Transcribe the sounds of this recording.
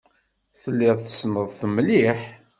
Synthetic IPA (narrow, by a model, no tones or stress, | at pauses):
θəlːɪðθə̥snəðˤθəmliħ